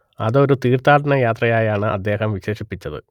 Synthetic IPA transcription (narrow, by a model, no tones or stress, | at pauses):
ɐ̰ðo̞ɾut̪iːrt̪aːʈɐnɐjaːt̪rɐjaːjaːɳɨʔɐ̰d̪ːe̞ːhɐmʋiɕe̞ːʂipːit͡ɕːɐðɨ̰